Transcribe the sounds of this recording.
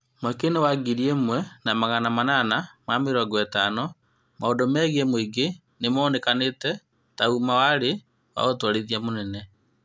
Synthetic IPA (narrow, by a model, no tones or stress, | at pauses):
makenewaɡiɾiemwɛnamaɣanamananamameɾɔɡɔɛtanɔ | maodɔmɛɣiɛmwiɡe | nemɔːnɛkanetɛ | taumawaɾe | wa̰ɣotwaɾeðiamonɛnɛ